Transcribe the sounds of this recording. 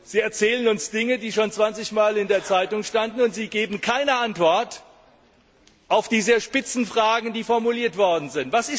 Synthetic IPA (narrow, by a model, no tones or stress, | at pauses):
z̥iːɛɐt͡sɛːlənʊnsd̥ɪŋədiːʃoːnt͡sv̥ant͡sɪçmaːlɪndeːɐt͡saɪtʊŋʃtandn̩ʊntz̥iːɡeːbm̩kʰaɪnəʔantv̥ɔɐt | ʔaʊfd̥iːzəʃpɪt͡sn̩fʁ̥aːɡŋ̩diːfɔɐmuliːɐtv̥ɔɐdn̩zɪntv̥asɪs